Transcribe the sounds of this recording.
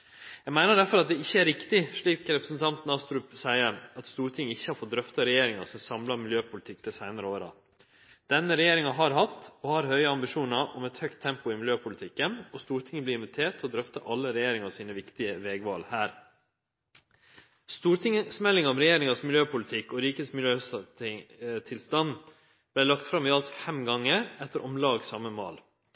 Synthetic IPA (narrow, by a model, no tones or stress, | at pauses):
jæɡmæɪnəɖæɾfɔɾɑt̪̚d̪ɛɪçːəæɾɪkt̪ɪʂɭiːkɾɛpɾəsn̩t̪ʰɑnt̪n̩ɑst̪ɾʉːpsæɪəɾɑt̪st̪uːɾʈ̪ʰɪŋəɪçːəhɑɾfɔt̪̚d̪ɾœft̪ɑɾɛjeːɾɪŋɑsɔmsɑmlɑmɪljøːpʰʊlɪt̪ʰɪk̚ːd̪ɛsæɪnɑɾəoːɾɑ̰ | d̪̥ɛnːəɾɛjeːɾɪŋɑɦɑɾɦɑt̪ːɔhɑɾhœʏəɑmbɪʂuːnɑɾʔɔmɛt̪hœkt̪ʰːɛmpʊɪmɪljøːpʰʊlɪt̪ʰɪkːənɔst̪uːɾʈ̪ʰɪŋːəb̪ɪːɪnʋɪt̪ʰeːʈ̪ʰːɪlɔd̪ɾœft̪əʔɑlːəɾɛjeːɾɪŋɑsiːnəʋɪkt̪ɪəʋɛːɡʋɑ̰ːlhæːɾ | st̪uːɾt̪ʰɪŋsmɛlːɪŋɔmɾɛjeːɾɪŋɑsmɪljøːpʰʊlɪt̪ʰɪkːɔɾiːkəsmɪljøː | t̪ʰɪlst̪ɑn | b̥læɪlɑkt̪fɾɑmɪɑlt̪fɛmɡɑŋːəɾɛt̪ːəɾʔɔmlɑːɡsɑməmɑ̰ːl